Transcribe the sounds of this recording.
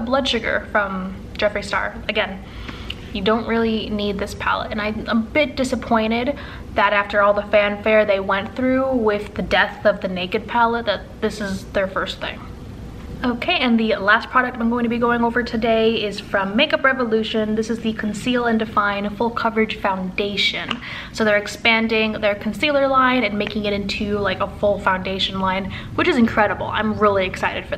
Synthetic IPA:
blʌd̥ʃʊɡə̰˞fɹʌ̃m̥ | ʒ̥ɛfɹistɑ̰ɹɨɡɛ̃n | jɨdõʊ̃nʔɹɪlˠinid̪̚ðɪspʰæ̰lˠə̰tɨ̃naɪ̃məbɪt̚d̥ɪsəpʰɔ̃ɪ̃ɾ̃ɪd̪̚ | ðɨɾæftə˞ɔlˠðəfæ̃nfɛɹðeɪwɛ̃nθɹʉwɪðɨdɛθʌvðɨneɪkɨd̚pʰælˠət̪̚ðət̪̚ðɪsɨzðə˞fɜ˞st̪̚θɪ̰̃ŋ | oʊkʰeɪʔɨ̃nðɨlæstpʰɹ̥ɑɾɨk̚tãɪ̃mɡoʊɪ̃ŋtʰɨbiɡoʊɪ̃ŋoʊvə˞tʰɨdeɪɪz̥fɹʌ̃mːeɪkʌpɹɛvəlʉʃɨ̃nðɪsɨzðɨkʰn̩silˠə̃ndɨfãɪ̃nfʊlˠkʰʌvɨd̥ʒ̥fãʊ̃ndeɪʃɨ̃n | soʊðə˞ɨkspæ̃ndɪ̃ŋðə˞kʰn̩silˠə˞lãɪ̃nɨ̃nmeɪkɪ̃ŋɨɾɪ̃ntʰʉlaɪkəfʊlˠfãʊ̃ndeɪʃɨ̃n̩lãɪ̃n | wɨt͡ʃɨzɨ̃nkʰɹ̥ɛɾəbl̩ˠã̰ɪ̃mɹɪlˠiɨksaɪɾɨd̥fə˞

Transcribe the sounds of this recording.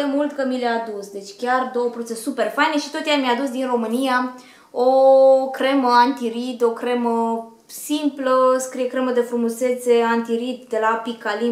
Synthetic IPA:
emult̪kəmileaːd̪usd̪e̞t͡ʃʲkʲard̪o̞wəpɾod̪usesupe̞rfajneʃit̪o̞t̪jamjaːd̪usd̪inro̞mɨnija | okɾe̞məant̪iɾid̪o̞kɾe̞mə | simpləskɾijekɾe̞məd̪e̞fɾumuse̞t̪se̞ant̪iɾid̪d̪e̞lapikali

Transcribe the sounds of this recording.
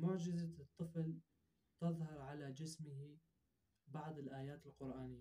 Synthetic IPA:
mʊʕd͡ʒɪzat̪ˤːɨfl | t̪ɑðˤhɑɾˤʕalad͡ʒɪsmɪhi | bɑʕd̪ˤɪlʔaːjaːt̪ɪlqʊɾʔaːnɪjːa

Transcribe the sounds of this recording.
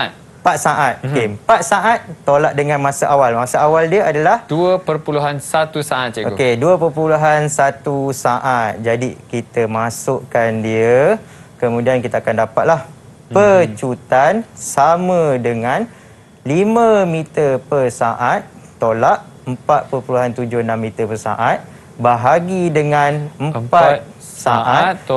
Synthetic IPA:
t̪ | əpat̪̚saʔat̪̚okeəmpat̪̚saʔat̪̚ːolaʔ̚dəŋãnmãsaʔawalmasaawaldiəadalahduəpərpuluɦansat̪usaʔat̪̚t͡ʃeokeduəpərpuluɦansat̪usaʔat̪̚d͡ʒadikit̪əmasʊʔkandiə | kəmũdiankit̪aːkandapat̪̚lah | pərt͡ʃut̪ansamə̃dəŋãn | limə̃mit̪əpərsaʔat̪̚ːolaʔ̚ | əmpat̪̚pərpuluɦant̪ud͡ʒʊhnamːĩt̪əpərsa̰ʔat̪̚ | baɦaɡidəŋãnəmpat̪̚ | saʔaat̪

